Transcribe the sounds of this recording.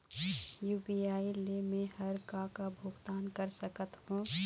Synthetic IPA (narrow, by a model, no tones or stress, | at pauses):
juːpiaːilemẽhəɾkakabʱʊːɡt̪aːnkəɾsəkət̪hũː